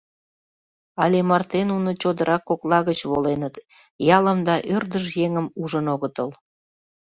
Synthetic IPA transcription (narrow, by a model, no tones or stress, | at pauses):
ɑlʲemɑrt̪enunot͡ɕod̪əɾʔɑkːoklɑɣət͡ɕβolenət̪ | jɑləmd̪ɑʔørd̪əʃjeŋəmuʒənoɣət̪əl